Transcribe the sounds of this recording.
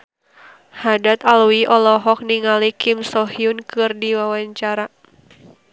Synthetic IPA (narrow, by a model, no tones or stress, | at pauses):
hadat̪aluiʔɔlɔɦɔk̚niŋalikimsɔhiunkɨrdiwawaɲt͡ʃaɾa